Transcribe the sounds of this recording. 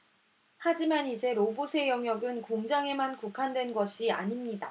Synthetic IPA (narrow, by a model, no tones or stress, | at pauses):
had͡ʑimanid͡ʑe̞ɾobusʰe̞jʌŋjʌɡɯnkoŋd͡ʑaŋe̞mankukʰandwe̞nɡʌɕʰia̰ɲimɲida